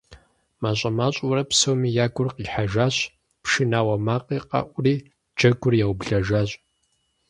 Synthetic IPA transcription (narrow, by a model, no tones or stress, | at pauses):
maɕʷʼɐmaːɕʼuɾɐpsowmiːjaːɡʷʊrqiːħaʒaːɕ | pʰʃɨnaːwɐmaːqʼiːqʼa̰ʔʷʊriː | d͡ʒɐɡʷʊrjawbɮɐʒaːɕʷʼ